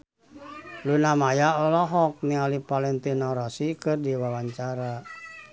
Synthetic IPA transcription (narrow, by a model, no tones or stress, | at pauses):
lunamajaɔlɔɦɔk̚nialipalɛnt̪inɔɾɔsikɨrdiwawaɲt͡ʃaɾa